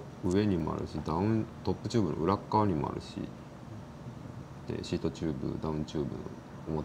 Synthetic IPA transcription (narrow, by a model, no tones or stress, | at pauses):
ɯ̟e̞ɲ̟imo̞a̰ɾɯ̟̰ɕid̪aɯ̃nt̪o̞pːɯ̟t͡ɕɨːbɯ̟noʔɯ̟ɾakːaːɲ̟imoa̰ɾɯ̟ɕḭ | nḛɕiːt̪o̞t͡ɕɨːbɯ̟̰d̪aɯ̟̃ɲt͡ɕɨːbɯ̟no | omot̪